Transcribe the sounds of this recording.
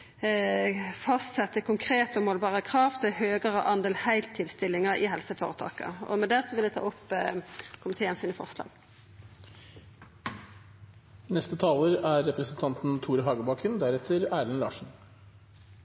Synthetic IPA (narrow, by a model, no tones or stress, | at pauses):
fɑst̪sɛt̪ːəkʰʊŋkʰʁeːt̪ɔmɔːlbɑːʁəkʰʁɑːʋt̪ʰɪlhøːɡəʁəʔɑnd̪eːlhæɪlt̪ʰːɪlst̪ɪlːɪŋəɪɦɛlsəfo̰ːʁət̪ʰɑ̰ːkə̰ɔ̰mɛd̪æʁsɔʋɪlɛt̪ʰɑ̰ːʊpː | kʰʊmɪt̪ʰeːənsiːnəfɔ̰ʁslɑ̰ːɡ̥ | nɛst̪ət̪ʰɑːləɾæɾːɛpɾəsnt̪ʰɑnt̪n̩t̪ʰuːɾəɦɑːɡəbɑːkʰənd̪æɾɛt̪ʰəɾæːɾənlɑ̰ːʂɳ̩